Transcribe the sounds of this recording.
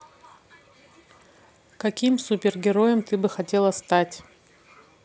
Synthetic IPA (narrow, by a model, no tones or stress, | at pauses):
kɐkʲimsupʲɪrɡʲɪɾo̞jəmt̪ɨbɨxɐtʲe̞lˠəst̪atʲ